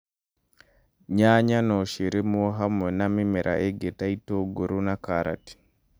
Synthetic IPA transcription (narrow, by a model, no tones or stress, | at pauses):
ɲaɲanoʃiɾemuoɦamwenamimiɾʔa̰ʔeɡetaitoɡuɾunakaɾa̰ti̥